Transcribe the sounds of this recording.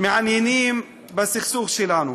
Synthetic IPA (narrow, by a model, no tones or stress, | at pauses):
miʕaniniːm | basːɪxsuːɣʃilaːnu